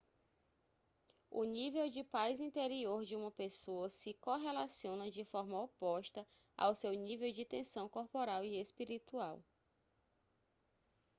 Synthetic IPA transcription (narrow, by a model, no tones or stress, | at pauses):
ʊ̰nivewd͡ʒɪpajzĩnt̪eɾioɾd͡ʒɪũmɐpesoɐsɪkoɦelasiõnɐd͡ʒɪfɔɾmɐopɔʃt̪ɐ | a̰wsewnivewd͡ʒɪt̪ẽsɐ̃w̃koɾpoɾawiespiɾit̪uaw